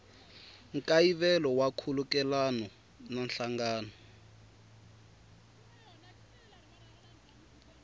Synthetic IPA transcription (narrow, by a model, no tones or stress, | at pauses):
ŋkaiβɛlɔwakʰulukɛlanɔ | nanɬaŋɡaːnɔ